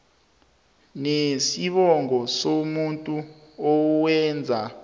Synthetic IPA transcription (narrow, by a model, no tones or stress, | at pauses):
nesiɓɔŋɔsomuntʼuɔwɛnd͡zʱa